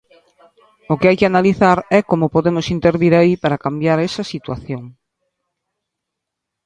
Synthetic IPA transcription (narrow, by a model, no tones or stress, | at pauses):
ʊkɪajkɪanaliθaɾɛkomʊpoðemʊsint̪eɾβiɾaipaɾakambjaɾɛsɐsit̪waθjoŋ